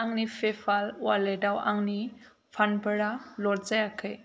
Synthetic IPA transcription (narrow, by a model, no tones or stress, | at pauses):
aŋnipʰepʰalwaledawa̰ŋni | pʰanbəɽalɔɾzajakʰaj